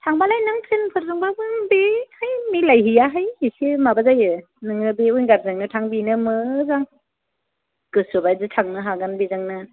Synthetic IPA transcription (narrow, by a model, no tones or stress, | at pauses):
tʰaŋbalajnaŋtʰɾenpʰɯɾzɯŋbabɯŋbehajmilajɦijaɦajhisemabazajɯ | nɯŋnɯbeujnɡaɾ̚zaŋnɯtʰaŋbinɯmɯzaŋ | kɯsɯbajzɯtʰaŋnɯɦaɡanbizaŋnɯ